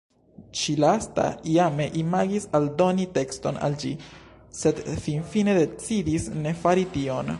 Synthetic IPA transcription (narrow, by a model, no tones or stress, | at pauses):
ʃilasta̰iame̞ʔimaɡisaldo̞nite̞ksto̞̰na̰ld͡ʒḭ | se̞dfinfine̞de̞t͡sidisne̞faɾitio̞n